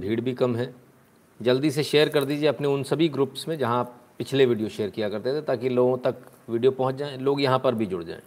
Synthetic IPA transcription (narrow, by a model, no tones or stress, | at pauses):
bʱiːɽbʱikɐmɦɛː | d͡ʒɐld̪iseʃeːəɾkɐɾd̪iːd͡ʒieɐpneʊnsɐbʱiɡɾuːpsmẽd͡ʒɐɦãːppɪt͡ʃʰleʋiːɖijoʃeːəɾkijakɐɾt̪et̪ʰet̪aːkiloːɡõt̪ɐk | ʋiɖijopɐɦʊ̃t͡ʃd͡ʒaːẽloːɡjɐɦãpɐɾbʱid͡ʒʊɽd͡ʒa̰ːḛ̃ː